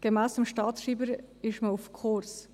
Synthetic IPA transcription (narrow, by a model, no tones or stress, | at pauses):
ɡ̥emæːsəmʃtɑːtʃiːbəɾɪʃməufkʰoɾs